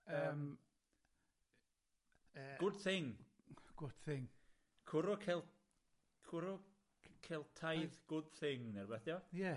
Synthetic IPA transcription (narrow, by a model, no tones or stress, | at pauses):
əm | ɡ̥ʊd̥θɪŋɡ̥ʊd̥θɪŋ | kʰʊɾɔkʰɛlˠ | kʰʊɾɔ | kʰɛlˠtʰajðɡ̥ʊd̥θɪŋnɛrbɛθjɔjɛ